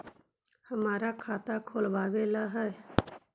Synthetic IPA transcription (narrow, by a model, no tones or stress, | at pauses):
həmaːɾakʰaːt̪akʰoːlʋaːʋeːlaɦɛɛ